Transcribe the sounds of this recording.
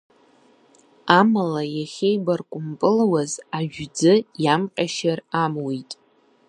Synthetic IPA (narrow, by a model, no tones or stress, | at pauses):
amalajaχʲejbarkʷʼʊmpʼɨlwazaʒᶣd͡zɨjamqʲʼaʃaramwijtʼ